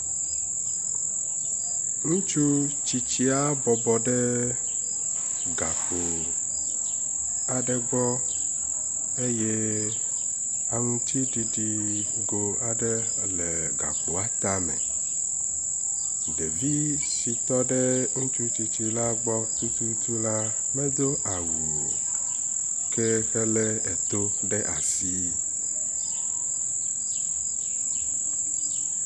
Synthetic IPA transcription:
ŋũ˦t͡ʃu˦ | t͡ʃi˨t͡ʃi˦a˦bɔ˨bɔ˨ɖɛ˦ | ɡa˨k͡po˨ | a˨ɖɛ˦ɡ͡bɔ˦ | e˦je˦ | a˨ŋũ˨t̪i˦di˨di˨ | ɡo˨a˨ɖɛ˦ | lɛ˨ | ɡa̰˨k͡po˨a˨˦t̪a˨mɛ̰˨ | de˨vi˦ | si˨t̪ɔ˦ɖɛ˦ŋũ˦t͡ʃu˦t͡ʃi˦t͡ʃi˦la˦ɡ͡bɔ˦t̪u˦t̪u˦t̪u˦la˦ | me˦d̪o˦ʔa˨wu˨o˨ | kɛ˦xɛ˦lɛ˦ɛ˨t̪o˦ | ɖɛ˦ʔa˨si˦

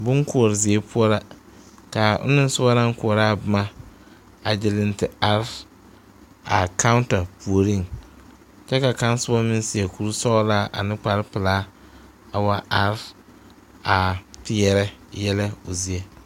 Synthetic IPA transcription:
bʊ˦ŋkʰʊ˨o˨ɾɪ˨zi˨e˦pʰʊ˦ɔ˦la˨ | ka˨ʊ̰˦nɪ˦n˦sʊ˦a˦ɾa˦ŋ˦kʊ˨ɔ˨ɾaː˦˨bʊ˦ma˦ | a˨d͡ʒɪ˨lɪ˨n˦tɪ˨a˦ɾ | a˨kʰa˦ʊ˦nta˨pu˨o˨ɾi˦˨ŋ | t͡ʃɛ˦ka˨ka˦n˦sʊ˦a˦mɪ˦n˦sɪ˨ɛ˨ku˨ɾu˦sɔ˦laː˦ʔa̰˨nɪ˦k͡pa˨ɾɪ˦pɪ˨laː˦ | a˨wa˦ʔa˦ɾ | a˨pɪ˦ɛ˨ɾɛ˦jɛ˦lɛ˦o˨zi˨e˦

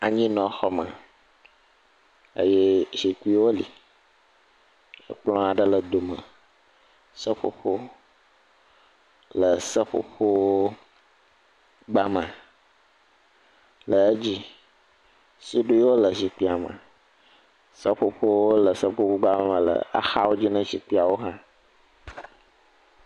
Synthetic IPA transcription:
a˨ɲĩ˦nɔ̃˨xɔ˦mə˨ | ə̰˦jɛ˦si˨ki˦wo˦lḭ˨ | ə̰˦k͡plɔ̃˦a˨ɖə˦lə˨d̪o˨mə̃˨ | sə˦ɸo̰˦ɸo˦ | lə˨sə˦ɸo̰˨ɸo˦ | ɡ͡ba˦mə̃˨ | lə˨ə˦d͡ʑi˦ | si˦ɖu˦wo˦lə˨si˨k͡pi˦a˨mə̰˨ | sə˦ɸo˦ɸo˦wo˦lə˨sə˦ɸo˦u˦ɡ͡ba˦m˨mə̃˨lə̰˨a̰˨xa˦wo˦d͡ʑi˦nə̃˦si˨k͡pi˦a˨wo˦ɦã˦

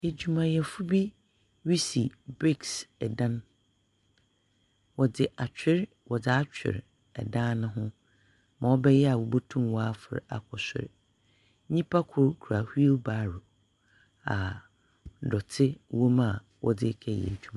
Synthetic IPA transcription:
e˨d͡ʑᶣu˨mã˨jɛ˨fʊ˦bi˦ | ɥi˦si˨bi˦ksɛ˨dã˦n | wɔ˨dɪ˨ʔa˨t͡ɕᶣʰɪ˦ɾ | wɔ˨dɪ˨a˦t͡ɕᶣʰɪ̰˨ɾ | ɛ̰˨dãː˦nʊ̃˦ɦʊ̃˦ | mã˨wɔ˦bɛ˦jɛ˦a˨wu˨bo˦tʰũ˦mwɔ˦a˦fʊ̰˨ɾa̰˨kʰɔ˨sɪ̰˦ɾ | ɲĩ˦pʰa˦kʰʊ˨ɾkʰu˨ɾa˨hu˦e˦baː˨ɾʊ˨ | a̰˨ | dɔ˨tʰɪ˦wo˦mã˦˨ | wʔɔ̰˦dɪ̰˦kʰɛ˦jɛ̰˨d͡ʑᶣu˦mã˨

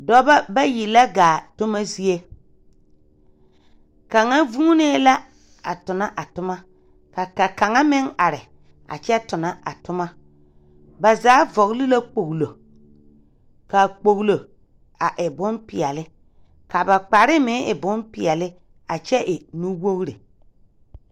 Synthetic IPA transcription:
dɔ˦ba˦ba˦ji˨la˦ɡaː˨tʊ˦ma˦zi˦e˦ | ka˨ŋa˦vu˦nɪ˦la˦ | a̰˨tʊ˨na˦ʔa˨tʊ˦ma˦ | ka˨ka˨ka˨ŋa˦mɪ˦ŋa˨ɾɪ˨ | a̰˨t͡ʃɛ˦tʊ˨na˦a̰˨tʊ˦ma˦ | ba˨zaː˨˦vɔ˨ɣlɪ˦la˦k͡po˨ɣlo˨ | ka˨k͡po˨ɣlo˨ | a˨ʔɪ˨bʊ˦npɪ˨ɛ˨lɪ˦ | ka˨ba˨k͡pa˨ɾɪ˦mɪ˨˦ʔɪ˨bʊ˦npɪ˨ɛ˨lɪ˦ | a˨t͡ʃɛ˦ʔɪ˨nu˦wo˦ɣɾe˨

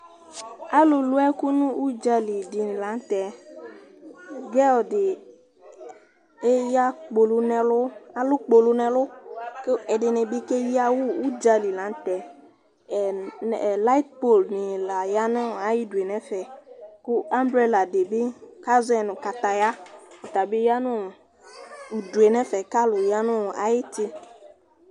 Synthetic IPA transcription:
a˦lʊ˨lʊ˦ɛ˦ku˦nʊ̃˦u˦d͡ʒa˦li˨dɪ˨nɪ̃˨la˨˦n˦t̪ɛ˨ | ɡɛ˦ɔ˨dɪ˨ | e˦ja˦k͡po˨lu˨nɛ˨˦lʊ˦a˨lʊ˦k͡po˨lʊ˦nɛ̃˨lʊ˦kɛ˨dɪ˨nɪ̃˨bɪ˦ke˦ji˦a˦wu˦u˦d͡ʒa˨li˨la˨˦n̩˦t̪ɛ˨ | la˦i˦t̪̚bo˦˨lnĩ˨la˨ja˦nẽ˦˨a˨ji˦ɖu˨e˨nɛ̃˦fɛ˨ku˦ã˦mbɾe˦la˨ɖe˨be˦ka˦zɔ˦ɛ˨nũ˨ka˨t̪a˨ja˦o˨t̪a˨be˦ja˦nũ˦˨ | u˨du˨e˨nɛ̃˦fɛ˨ka˦lo˨ja˦nũ˦˨a˨je˦t̪i˦

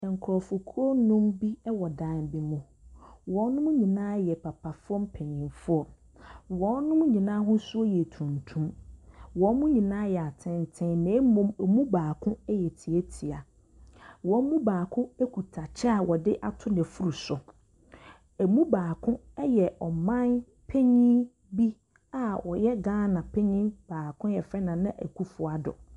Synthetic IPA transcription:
ɛ˨ŋ̩˨kʰɾɔ˨fʊ˨kʰɔ˦nũ˦mbi˦ɛ˦wɔ˨dãː˨˦˨n˨bi˦mũ˦ | wɔ̃˨˦nʊ̃˦m˦ɲĩ˨nãː˦jɛ˨pʰa˨pʰa˨fʊ˦ɔ˦m̩˦pʰɛ̃˨ɲĩ˨m˨fʊ˦ɔ˦˨ | wɔ˨˦nʊ̃˦m˦ɲĩ˨nãː˦ɦʊ̃˦su˦o˦jɛ˨tʰũ˨ntʰũ˦mwɔ˦mũ˦ɲĩ˨nãː˦jɛ˨a˨tʰɪ̃˦n˦tʰɪ̃˦nnɛ̃ː˨˦mʊ̃˦mɛ˨mũ˦baː˨kʰʊ̃˦ɛ˦jɛ˨tʰi˨e˦tʰi˨a˨ | wɔ˦mũ˦baː˨kʰʊ̃˦e˦kʷʰu˨tʰa˨t͡ɕʰɛ˦a˨wɔ˨dɪ˦ʔa˨tʰʊ˦nɛ̃˨fu˦ɾu˨sʊ˨ | æ˨mũ˦baː˨kʰʊ̃˦ɛ˦jɛ˨ʔɔ˨mã˦n | pʰe˦ɲĩ˦ | bi˦ | a˦ɔ˨jɛ˦ɡãː˦nã˨pʰe˦ɲĩ˦b̥aː˨kʰʊ̃˦jɛ˨fɛ˦nã˨nã˦ʔæ̰˨kʰu˦fʊ˨a˦dɔ̰˨

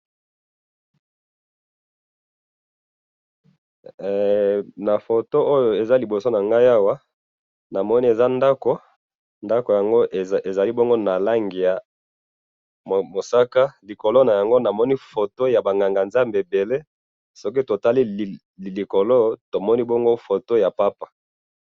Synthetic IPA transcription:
na˨fo˨to˦ʔo˦jo˨e˨za˦li˨bo˨so˦na˨ŋɡa˦ja˦wa˦ | na˨mɔ˦ni˦e˨za˦nda˦ko˦ | nda˦ko˨ja˨ŋɡo˦ʔe˨za˨li˦bɔ˦ŋɡo˦na˨la˦ŋɡi˨ja˨ | mo˨sa˦ka˦li˨ko˨lo˦na˨ja˨ŋɡo˦na˨mɔ˦ni˦fo˨to˦ja˨ba˨ŋɡa˨ŋɡa˨nza˦mbe˨be˨le˦ | sɔ˦k̬i˦to˨ta˦li˦˨ | li˨ko˨lo˦to˨mɔ˦ni˦bo˦ŋɡo˦fo˨to˦ja˨pa˦pḁ˨

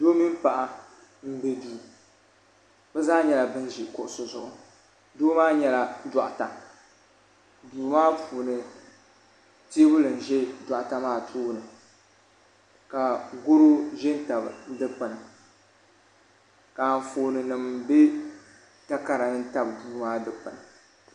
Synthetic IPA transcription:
do˦mi˦m˦pa˨ʔa˨ | m̩˦be˦duː˨ | bɛ˦zaː˦ɲɛ˦la˨bɨ˦n˦ʒi˨kʊ˨ʔʊ˨sʊ˨zʊ˨ʔʊ˨ | doː˦maː˦ɲɛ˦la˨da˨ʔta˨ | duː˨maː˦pʰuː˨nɨ˨ | tiː˦bʊ˦lɨ˨n̩˨ʒɛ˦dʷa˨ʔta˦maː˦˨tʰuː˦nɨ˨ | ka˨ɡʊ˦ɾo˦ʒɛ˦n˦ta˨b̰n˦dɨ˦k͡pɨ˨nɨ˨ | ka˨ɱ˨foː˨nɨ˨nɨ˨mbe˦ | ta˦ka˦ɾa˨nɨ˦n̩˦ta˨bduː˦maː˦dɨ˦k͡pɨ˨nɨ˨

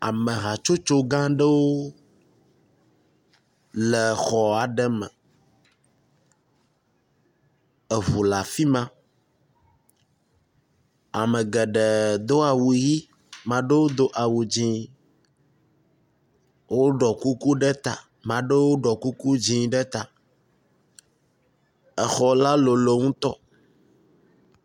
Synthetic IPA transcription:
a̰˨mə˨ɦa˨t͡ʃo˦t͡ʃo˦ɡã˦ɖə˦wo˦ | lə˨xɔ˨a˨ɖə˦mə̃˨ | ə˨vu˨la˨fi˦mã˦ | a̰˨mə̃˨ɡɛ˨ɖə˨d̪o˦a˨wu˨ji˦ | mã˨ɖe˦wo˦d̪o˦ʔa˨wu˨d͡ʒĩ˦ | wo˦ɖɔ˨ku˦ku˦ɖɛ˦t̪a̰˨ | mã˨ɖe˦wo˦ɖɔ˨ku˦ku˦d͡ʒĩ˦ɖɛ˦t̪a˨ | ɛ˨xɔ˦la˦lo˨lo˨ŋũ˦t̪ɔ̰˦

